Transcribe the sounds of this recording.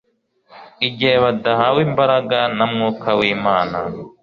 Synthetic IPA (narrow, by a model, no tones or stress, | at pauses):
iɟeːβad̪aɦawimbaɾaɡanamŋuːkʰawiːmaːna